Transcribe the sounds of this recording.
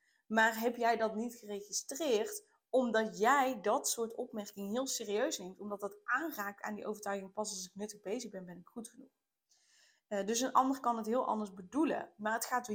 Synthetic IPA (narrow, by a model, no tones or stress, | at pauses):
maːrɦɛpjɛjdɑtnitχərejχistrɪːrt | ɔmdɑtjɛjdɑtsʊːɹtɔpmɛɹkɪŋəɦɪːlˠsɪːriøɥshɪntɔmdɑt̚dɑtʔaːnraːk̚ta̰ːndiʔo̰wvəɹtœɥɣɪŋəpɑsɑlˠsɪknɵtəɣbejzəχbɛnbɛnɪkχutχənuχ | dɵsənʔɑ̰ndərkɑnɦətɦɪːlˠʔɑ̰ndəɹzbədulə̰maːrɦətχaːt